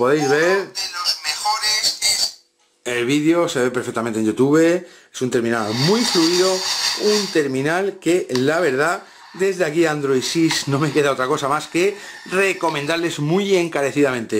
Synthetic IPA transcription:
po̞ðejzβeɾelozmexoɾese | elβiðeo̞se̞βe̞peɾfek̚t̪ament̪enʝut̪uβe̞ | esunt̪eɾmĩnalmujfluiðo̞unt̪e̞ɾmĩnalke̞laβ̞e̞ɾð̞a | d̪e̞zðeakiand̪ɾojsisnõ̞me̞ke̞ðao̞t̪ɾako̞samaske̞re̞ko̞mẽnd̪aɾle̞zmuje̞ŋkaɾe̞θiðamẽnt̪e̞

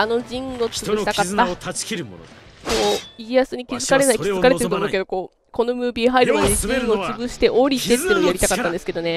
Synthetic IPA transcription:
ano̞d͡ʑĩŋɡo̞t͡sɨɯɕi̥takat̪ːat͡ɕi̥kiɾɯo̰n̰ | koːiijasɨɲ̟ikʲizɨkaɾe̞naiizɨkaɾeeɾt̪omo̟ked̪o̞ko̞ː | ko̞no̞mɯ̟ːbʲiɦaiɾɯ̟mad̪eɲid͡ʑĩŋɡot͡sɨɡɯ̟ɕi̥t̪e̞ʔoɾʲit̪e̞t̪ːeinoojaɾit̪akat̪ːãnd̪eɨ̥ke̞d̪o̞ne̞

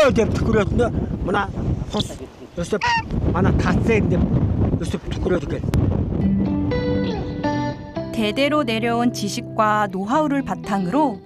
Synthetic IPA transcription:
odep̚tʰɯ̥k͈ɯɾjʌdɯnɯmanapʰos | jos͈epmanakʰas͈endep̚jos͈ept̪ʰɯ̥k͈ɯɾjʌdɯɡet | te̞de̞ɾone̞ɾjʌunt͡ɕiɕʰik̚k͈wanoɦauɾɯɭpatʰaŋɯɾo

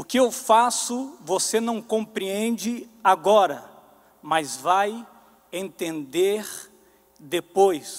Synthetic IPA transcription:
ʊkɪewfasʊvosenɐ̃w̃kõpɾiẽnd͡ʒɪaɡɔɾɐ | mɐzvaj | ẽnt̪ẽnd̪eɾ | d̪epojs

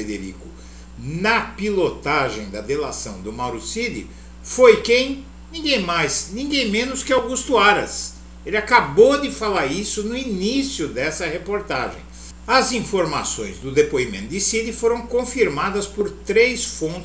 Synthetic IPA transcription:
ed̪eɾḭkʊ | nɐpilot̪aʒẽj̃d̪ɐd̪elasɐ̰̃w̃d̪ʊmawɾusid̪ɪ̰ | fojkẽj̃ | nĩɡẽj̃majznĩɡẽj̃mẽnʊskɪawɡust̪ʊaɾɐs | elɪakabod̪ɪfalaɾisʊnʊinisjʊd̪ɛsɐhepoɾt̪a̰ʒḛ̃j̃ | ɐzĩfoɾma̰sõ̰j̃zd̪ʊd̪epoimḛ̃nt̪ʊd̪ɪsid̪ɪfoɾɐ̃w̃kõfiɾmad̪ɐspoɾt̪ɾejsfõt̪

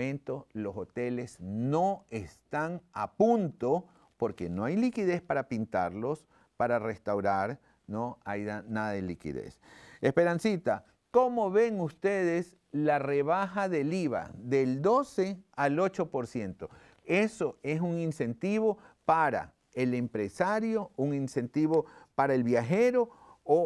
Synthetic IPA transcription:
ẽnt̪o̞lo̞so̞t̪e̞le̞sno̞est̪aŋapunt̪o | po̞ɾke̞no̞ajlikiðe̞spaɾapint̪a̰ɾlo̞s | paɾarest̪awɾaɾ | noajanaðaðelikḭðḛsespe̞ɾansit̪a | ko̞mo̞βe̞ŋust̪eðes | lare̞βaxaðe̞liβa̰ðe̞ld̪o̞se̞alot͡ʃo̞po̞ɾsje̞nt̪o̞ | e̞soe̞suŋinse̞nt̪iβo̞paɾa̰ | elempɾesaɾjo̞uŋinse̞nt̪iβo̞paɾaelβjaxe̞ɾo̞o

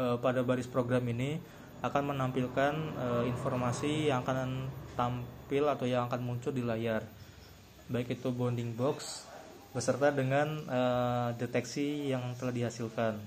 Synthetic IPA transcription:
əpadabaɾɪspɾoɡɾamini | akanmənampilkanəinfɔrmasijaŋakant̪ampɪlat̪awjaŋakanmuɲt͡ʃʊldilajar | baɪkit̪ubɔndɪŋbɔks | bəsərt̪adəŋanədet̪ɛksijaŋt̪əlahdiɦasilkan

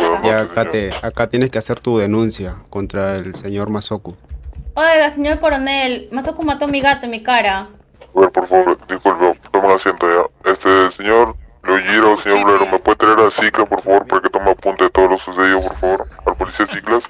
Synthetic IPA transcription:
eðanakaeakat̪jeneskeaseɾt̪uðenũnsjakont̪ɾaelseɲo̞ɾmasokuojɣaseɲo̞ɾko̞ɾonelmasokumat̪omiɣat̪oemikaɾa | aβeɾpoɾfaβoɾd̪iskulpet̪omeŋasjent̪oʝaest̪eseɲoɾloʝiɾaoseɲoɾβleɾomepweðet̪ɾaeɾasiklaspoɾfaβoɾpaɾaket̪omeapunt̪eet̪oðolosuseðiopoɾfaβoɾalpolisiasiklas

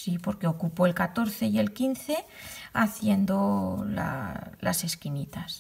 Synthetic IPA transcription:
sipo̞ɾke̞okupoelkat̪o̞ɾθe̞je̞lkinθe̞ | aθje̞nd̪o̞la̰la̰se̞skinit̪as

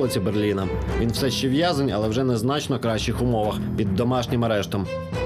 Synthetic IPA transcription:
lˠɔt͡sʲiberlʲinɐʋʲinwsɛʃt͡ʃɛʋjɑzɐnʲɐ̰lˠɛwʒɛnɛznɑt͡ʃnɔkɾɑʃt͡ʃːɪxʊmɔʋɐxpʲid̪ːɔmɑʃnʲɪmɐɾɛʃt̪ɔm

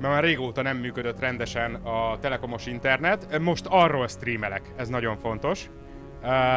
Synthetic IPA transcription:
mɛmaːrːeːɡoːt̪ɒnɛmːyːkød̪øt̪ːrɛnd̪ɛʃɛnɒt̪ɛlɛko̞mo̞ʃint̪ɛrnɛt̪mo̞ʃt̪ɒrːolst̪riːmɛlɛkɛznɒɟo̞ɱfo̞n̪t̪o̞ʃ

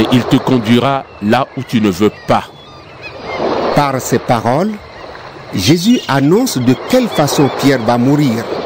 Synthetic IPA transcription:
eʔilt̪əkɔ̃d̪ɥiʁa | laut̪ynəvøpa | paʁsɛpaʁɔl | ʒezyʔanɔ̃sd̪əkʲɛlfasɔ̃pjɛʁvamuʁiːʁ

